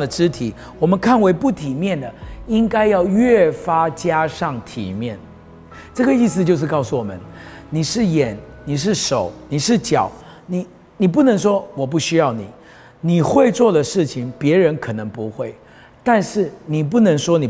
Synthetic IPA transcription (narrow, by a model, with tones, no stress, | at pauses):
d̪ə˩ʈ͡ʂɻ̩˥t̪ʰi˨˩˦ | wɔ˨˩mə˨˦nkʰa˥˩nwe˧˥ɪpu˥˩t̪ʰi˨˩mjɛ˥˩nd̪ə˩i˦˥ŋka˥ɪjɑ˥˧ʊɥɛ˥˨˩fa˥t͡ɕja˥ʂɑ˥˩ŋt̪ʰḭ˨˩mjɛ˥˩n | ʈ͡ʂɤ˥˩ɡə˩i˥˧s̬ɹ̩˧t͡ɕjo˥˧ʊʂɻ̩˥˧kɑ˥˧ʊsu˥˩wɔ˨˩mə̰˦n | ni˨˩ʂɻ̩˥˩jɛ˨˩nni˨˩ʂ̬ɻ̩˥˩ʂo˨˩˦ʊni˨˩ʂɻ̩˥˩t͡ɕjɑ˨˩˦ʊ | ni˨˩˦ | ni˨˩p̬u˥˩nə˧˥ŋʂwɔ˥wɔ˨˩p̬u˥˩ɕy˥jɑ˥˩ʊni˨˩˦ | ni˨˩xwe˥˧ɪt͡swɔ˥˩d̪ə˩ʂɻ̩˥˩t͡ɕʰi˨ŋpjɛ˧˥ɻə˧˥nkʰɤ˨˩nɤ˧˦ŋpu˧˦xwe˥˩ɪ | t̪a˥˧nʂɻ̩˥˩ni˨˩p̬u˥˩nɤ˧˥ŋʂwɔ˥ni˨˩